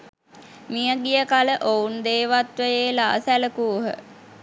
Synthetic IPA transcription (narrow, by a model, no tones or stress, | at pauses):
mijəɡijəkaləʔound̪eːʋat̪ʋəjeːla̰ːsæləkuːɦə̰